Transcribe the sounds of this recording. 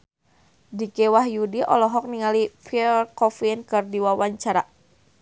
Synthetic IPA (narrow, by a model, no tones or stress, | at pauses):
dikɛwaɦjudiʔɔlɔɦɔk̚niŋalipʰilkɔfnkɨrdiwawaɲt͡ʃaɾa